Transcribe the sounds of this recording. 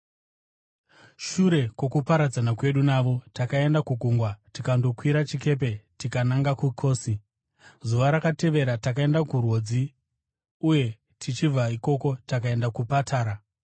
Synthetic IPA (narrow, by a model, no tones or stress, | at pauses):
ʃuɾe̞ko̞kupaɾad͡zanakwe̞ɗunaʋo̞takae̞ndakuɡʱuŋɡwatikando̞kwiɾat͡ʃike̞p̬e̞tikanaŋɡakukʰo̞ːsi | zuʋaɾakate̞ʋe̞ɾatakae̞ndakurwo̞d͡zi | uje̞ | tʰit͡ʃivaiko̞ko̞takae̞ndakupatʰaːɾa